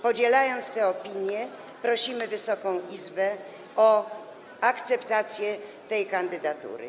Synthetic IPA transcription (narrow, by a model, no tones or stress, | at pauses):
pɔd͡ʑɛlajɔnt̪st̪ɛɔpʲiɲjɛ | pɾɔɕimɘvɘsɔkɔ̃w̃ʔizbɛ | ɔ | akt̪sɛpt̪at̪sʲjɛt̪ɛjkand̪ɘd̪at̪ṵɾɘ̰